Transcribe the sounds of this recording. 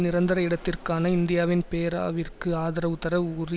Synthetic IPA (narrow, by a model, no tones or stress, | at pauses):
nɪɾɐnd̪ɐɾɐɪɽɐt̪ːɪrkaːnɐɪnd̪ɪjaːʋɪnpeːɾa̰ːʋɪrkɯaːðɐɾɐʊt̪ːɐɾɐuːri